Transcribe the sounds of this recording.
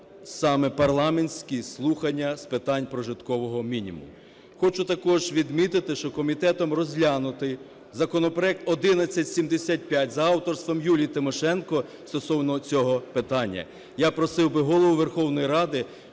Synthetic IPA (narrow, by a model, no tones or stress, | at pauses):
sɑmɛpɐrlˠɑmenʲsʲkʲislˠuxɐnʲːɐspɪt̪ɑnʲpɾɔʒɪt̪kɔʋɔɦɔmʲinʲḭmʊ̰m | xɔt͡ʃʊt̪ɐkɔʒʋʲid̪mʲit̪ɪt̪ɪʃt͡ʃɔkɔmʲit̪ɛt̪ɔmrɔzʲlʲanʊt̪ɪ | zɐkɔnɔpɾɔɛk̚t̪ɔd̪ɪnɐt͡sʲːɐtʲsʲimd̪esʲat̚ʲpʲjatʲzɐɑwt̪ɔrst̪ʋɔmjulʲiit̪ɪmɔʃɛnkɔst̪ɔsɔwnɔt͡sʲɔɦɔpɪt̪ɑnʲːɐ̰ | japɾɔsɪwbɪɦɔlˠɔʋʊʋerxɔwnɔjiɾɑd̪ɪ